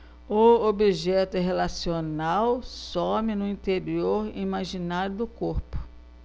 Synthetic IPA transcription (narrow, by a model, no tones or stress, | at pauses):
ʊobiʒɛt̪ʊɦelasionawsõmɪnʊĩt̪eɾioɾḭmaʒinaɾʊd̪ʊkoɾpʊ̥